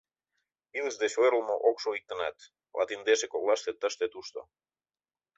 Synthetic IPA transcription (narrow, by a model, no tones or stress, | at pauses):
ilsd̪eʃoeɾlmoʔoksoik̚t̪əna̰t̪ | la̰t̪ind̪esekolˠast̪et̪ːaʃt̪et̪ust̪o̰